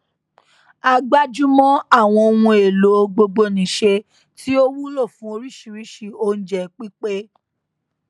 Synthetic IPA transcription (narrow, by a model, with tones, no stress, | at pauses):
a˧ɡ͡ba˦d͡ʒu˦mɔ̃˦a˦˨w̃ɔ̃˧o˧wũ˧e˨lo˨˦ɡ͡bo˧ɡ͡bo˧nĩ˨ʃe˧ | ti˦o˦wu˦lo˦˨fũ˨˦o˧ɾi˦ʃi˨˧ɾi˦ʃi˦˨o˦n̩˦d͡ʒɛ˧˨k͡pi˦k͡pe˦